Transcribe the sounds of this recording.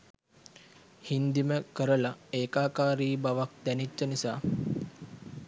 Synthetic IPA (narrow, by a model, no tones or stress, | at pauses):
hind̪iməkəɾəlaeːkaːkaːɾiːbaʋak̚d̪ænit͡ʃːənisaː